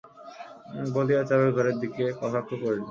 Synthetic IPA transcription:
boliat͡ɕaɾoɾɡʱɔɾeɾd̪ikekɔt̪ʰakʰːokoɾli

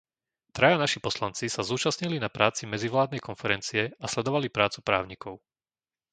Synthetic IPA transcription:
t̪ɾajanaʃipɔslant͡sisazuːt͡ʃasɲilinapɾaːt͡simɛd͡ziʋlaːd̪nɛjkɔnfɛɾɛnt͡siɛaslɛd̪ɔʋalipɾaːt͡supɾa̰ːʊɲikʰɔʊ

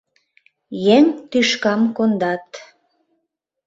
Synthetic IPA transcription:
jeŋt̪yʃkɑmkond̪ɑt̪

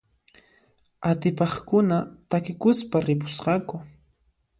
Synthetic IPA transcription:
at̪ɪpɑχkʊnat̪akɪkʊspaɾɪp̬ʊ̥sqɑkʊ

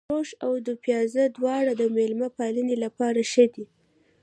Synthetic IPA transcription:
ɾoʃawd̪upjɑzəd̪wɑɽad̪əmelmapɑlənelapɑɾaʃəd̪i

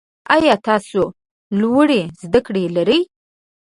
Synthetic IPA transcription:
ajɑt̪ɑso | lwəɽezd̪akɽelaɾəj

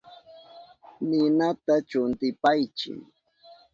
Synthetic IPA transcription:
nɪnat̪at͡ʃʊnt̪ɪpajt͡ʃɪ̰ŋ

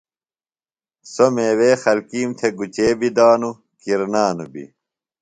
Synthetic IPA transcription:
someːweːxɐlkiːmt̪ʰeɡut͡ɕeːbid̪aːnu | kiɾnaːnubḭ

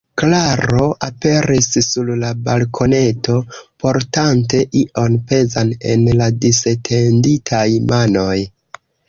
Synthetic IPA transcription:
klaɾo̞ʔape̞ɾisːullabalkʰo̞ne̞to̞po̞ɾtante̞ʔiʔo̞npe̞zane̞̰nladisetʰe̞nditʰajmano̞j

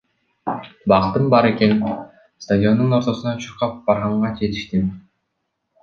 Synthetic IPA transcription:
bɑqt̪ɯmbɑɾe̞ke̞n | st̪adʲio̞nd̪uno̞ɾt̪o̞sunɑt͡ʃʰuɾqɑp̚b̥ɑɾʁɑɴʁɑd͡ʒe̞t̪i̥ʃt̪im

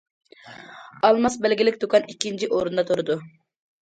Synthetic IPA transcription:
ɑlˠmɑsbɛlɡʲilɪkʲd̪okʰɑnikʲːint͡ʃʰiʔoɾund̪ɑt̪ʰoɾɨd̪u

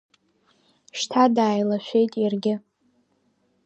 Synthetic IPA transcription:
ʃtʰadaːjlaʃʷᶣe̞jtʼjarɡʲɪ

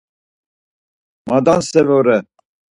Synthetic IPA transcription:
mad̪ansɛvɔɾɛ

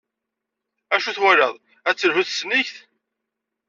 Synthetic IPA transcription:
æʃuθwæɾɑðˤ | æt͡sːəlhuθsniçθ

